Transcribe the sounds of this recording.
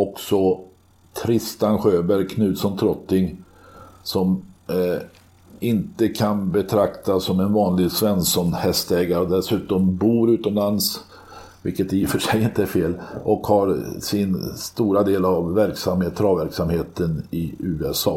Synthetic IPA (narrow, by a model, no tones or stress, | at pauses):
ɔksɔ | t̪ʰɾɪst̪anɧøːbæɾjkʰnʉ̟ːt̪sɔnt̪ʰɾɔt̪ːɪŋ | sɔm | ɪnt̪əkʰanbɛt̪ʰɾakt̪asɔmɛnvɑːnlɪɡsvɛnsɔnhɛst̪ɛːɡaɾəɔd̪ɛsʉ̟ːt̪ɔmbuːɾʉ̟ːt̪ɔmlans | vɪ̰lkːət̪ɛjɪfœʂɛjɪnt̪əæɾfeːlɔkhaɾsɪnst̪uːɾad̪eːlavːæɾksamhet̪ʰːɾɑːvæɾksamheːt̪ənɪʉ̟ːɛsɑ̰ː